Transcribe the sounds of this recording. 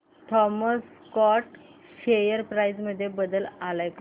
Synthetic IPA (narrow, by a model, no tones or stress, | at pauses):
ʈʰɔməs | kɔʈ | fejəɾpɾajd͡zməd̪ʱːjebəd̪əlalajk